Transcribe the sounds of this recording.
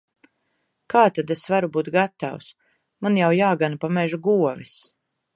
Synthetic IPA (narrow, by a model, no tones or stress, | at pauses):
kaːt̪ad̪esvaɾubuːt̪ɡat̪a̰ws | manjawjaːɡanapamɛʒuɡuɔvis